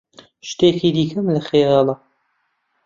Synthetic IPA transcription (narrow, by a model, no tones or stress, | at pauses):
ʃt̪eːkiːd̪iːkʰɐmlɐχeɣɑlˠɐ